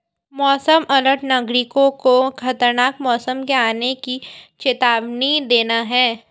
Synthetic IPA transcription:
mɔːsəmʔɐləʈnɐɡɾɪkõkokʰɐt̪əɾnaːkmɔːsəmkeaːnekit͡ʃet̪aːʋnid̪eːnaɦɛː

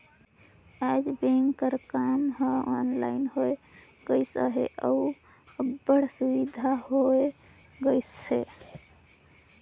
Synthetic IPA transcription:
ad͡ʒbeŋkəɾkamɦəɔnlaɪnhoe | ɡəɪsə̰ɦḛʔəu | əbːəɽsuʋid̪ʱaɦoe | ɡəjshe

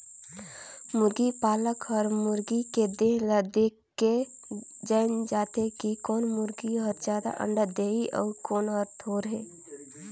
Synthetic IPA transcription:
mʊɾɡipaːləkɔːɾmʊɾɡiked̪ẽləd̪ekː | e | d͡ʒəɪnd͡ʒaːt̪ekikɔːnmʊɾɡiɔːɾd͡ʒaːd̪a̰ʔə̰̃ɳɖəd̪eːiʔɔ̰ːɾkoːnɔɾt̪ʰoːɾɦɛː

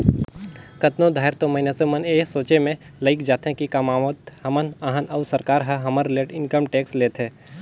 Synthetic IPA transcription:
kɐt̪nod̪ʱaːɪɾt̪omɐɪneseməneːsoːt͡ʃemẽləɪkd͡ʒaːt̪ɦẽkikamaːʋət̪hɐmənaɦənəːsəɾkaːɾɦəɦɐməɾleːʈɪnkəmʈeːksleːt̪ʰẽː

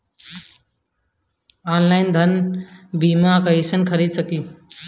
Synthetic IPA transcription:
aːnlaɪnd̪ʱənbimakəisənkʰəɾid̪səkiː

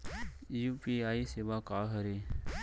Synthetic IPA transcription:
juːpiaːiseʋakaːɦəɾe

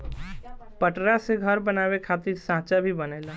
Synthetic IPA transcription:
pəʈɾaseɡʱəɾbənaːwekʰaːt̪ɪɾsãːt͡ʃabʱibəneːla

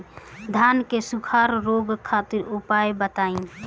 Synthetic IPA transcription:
d̪ʱankesukʰaɾɾoɡkʰːat̪iɾupajbət̪ai

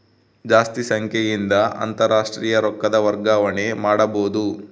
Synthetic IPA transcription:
d͡ʒaːst̪isɐŋkʰjejind̪ɐɐ̰nt̪ɐɾaːʂʈɾiːjɐɾɔkːɐd̪ɐʋɐɾɡaːʋɐɳe̞maːɽɐboːd̪u

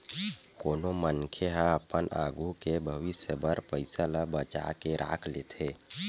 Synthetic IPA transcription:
koːnomənkʰeɦaəpənʔa̰ːɡʱukebʱəʋɪsjəbəɾpəɪsələbət͡ʃa̰keɾʔa̰ːkʰleːt̪ʰeː

